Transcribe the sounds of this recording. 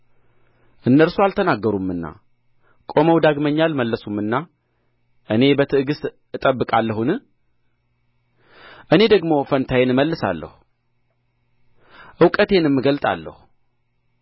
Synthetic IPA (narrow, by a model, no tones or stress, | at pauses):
ʔɨnːəɾsualt̪ʰənaɡːəɾumːɨnːa̰ | kʼo̞məwd̪aɡməɲːalməlːəsumːɨnːa | ʔɨne̞bət̪ʰɨɨɡɨs | ɨt̪ʼəbːɨkʼalːəhunɨ | ʔɨne̞d̪əɡmo̞fənt̪ʰajenməlːɨsa̰lːə̰hu | ʔɨwkʼət̪ʰe̞nmːɨɡəlt̪ʼa̰lːə̰hu